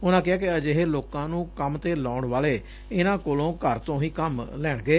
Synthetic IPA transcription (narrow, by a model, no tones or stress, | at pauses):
ʊnãːkɪɦaːkɪəd͡ʒeɦeloːkãːnũːkəmt̪eːlaːɳʋaːleː | ɪnãːkoːlõːkəɾt̪õːɦiːkəmlɛːɽ̃ɡeː